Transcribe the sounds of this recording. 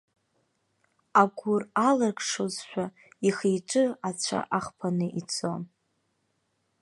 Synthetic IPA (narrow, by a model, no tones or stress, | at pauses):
aɡʷʊralarkʂozʃʷᶣa | iχejʈ͡ʂʼɨat͡ɕʷʰa̰ʔaχpʰanɨʔit͡sʰʼon